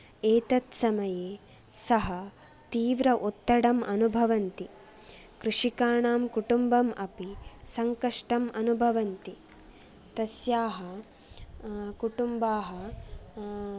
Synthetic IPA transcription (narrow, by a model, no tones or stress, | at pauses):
eːt̪ɐt̪sɐmɐjeː | sɐɦɐ | t̪iːʋɾɐʔut̪ːɐɽɐmʔɐnubʱɐʋɐnt̪i | kɾuʂikaːɳaːmkuʈumbɐmɐpisɐŋkɐʂʈɐmɐnubʱɐʋɐnt̪i | t̪ɐsjaːɦɐ | kuʈumbaːɦɐ